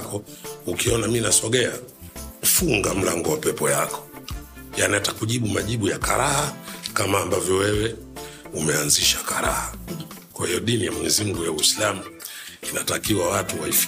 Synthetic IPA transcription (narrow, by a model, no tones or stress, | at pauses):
kɔukiɔnaminasɔɠɛa | fuŋɡam̩laŋɡɔwapɛpɔjakɔ̥janiatakuʄiɓumaʄiɓujakaɾʔahakamaːmbavjɔwɛwɛ | umɛanziʃḁkaɾa̰ha | kwahijɔɗinijamwɛɲɛzim̩ɡujawislamu | inatakiwawatuwaif